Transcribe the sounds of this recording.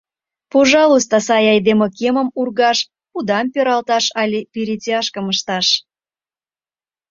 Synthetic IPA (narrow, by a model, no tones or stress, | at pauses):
poʒɑlˠust̪osɑjɑjd̪emokemə̆murɣɑʃ | pud̪ɑmpøɾɑlt̪ɑʃɑlʲepiɾit͡sʲeɑʃkə̆məʃt̪ɑʃ